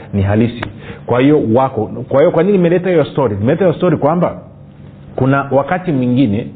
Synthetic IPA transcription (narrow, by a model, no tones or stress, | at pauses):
niɦalisḭkwahijɔwakɔkwahijɔkwaɲininimɛlɛtahijɔstɔɾinimɛlɛtaijɔstɔɾikwamba | kunawakatimwiŋɡinɛ